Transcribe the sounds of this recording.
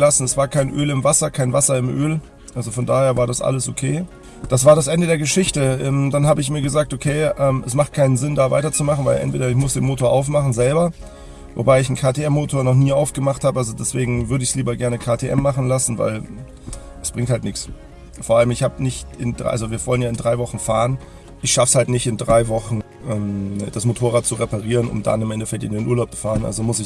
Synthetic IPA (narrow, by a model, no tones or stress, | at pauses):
lasn̩ɛsv̥aːɐkʰaɪnʔø̰ːlɪmvasɐkʰaɪnvasɐɪmʔøːl | ʔalzofɔndaːheːɐvaːɐdasʔa̰ləsʔokʰeː | d̥as̬v̥aːɐɾasʔɛndədeːɐɡəʃɪçtəʔɛːmd̥anhaːbəɪç̬miːɐɡəzaːk̚tʔokʰeːʔɛːmʔɛsmaχt̚kʰaɪnənzɪndaːva̰ɪtɐt͡sumaχn̩vaɪlʔɛ̰ntv̥eːdɐɪç̬mʊsd̥eːnmoːtoːɐʔaʊfmaχn̩zɛlbɐ | vo̰baɪɪçn̩kʰaːtʰeɛmːoːtʰoːɐnɔχniːʔaʊfɡ̥əmaχthaːbəʔalzodɛsv̥eːɡŋ̩vʏɐdəɪçsliːbɐɡɛɐnəkʰaːtʰeʔɛ̰mːaχn̩lasn̩va̰ɪl | ʔɛsb̥ʁɪŋthaltnɪks | foːɐʔaləmɪçhaːbənɪçtɪndʁʔa̰lzoviːɐvɔlənjaːɪndʁaɪvɔχn̩faːʁən | ʔɪçʃafshaltnɪçtɪndʁaɪvɔχn̩ | ʔɛːmd̥asmotʰoːʁaːt̚t͡suʁepaʁiːʁənʊ̰mda̰nɪmʔɛntəfɛk̚tɪndeɪnʔuːɐlaʊp̚t͡su̥faːʁənʔa̰lzomʊsɪ